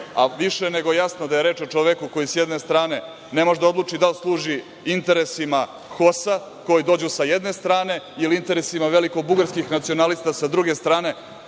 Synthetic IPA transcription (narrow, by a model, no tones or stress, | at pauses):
a̰ʋiʃene̞ɡojasnod̪aje̞ɾeːt͡ʃo̞t͡ʃoʋekuko̞jisjed̪ne̞st̪ɾaːne̞ | ne̞moʒd̪ao̞d̪lˠuːt͡ʂid̪alslˠuːʒi | int̪e̞ɾe̞sima | xo̞sa | ko̞jid̪o̞ːd͡ʑusajed̪ne̞st̪ɾaːne̞iliint̪e̞ɾesimaʋe̞liko̞buɡaɾskixnat̪sio̞nalist̪asad̪ɾuɡe̞st̪ɾaːne̞